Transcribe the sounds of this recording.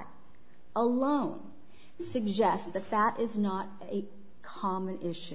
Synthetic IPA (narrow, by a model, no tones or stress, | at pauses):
ɾ | ʔəlõʊ̃n | sɨɡ̚d͡ʒɛstðɨt̪̚ðəɾʔɪznəɾ | ɨ | kʰɑmɨ̃nɪʃʉ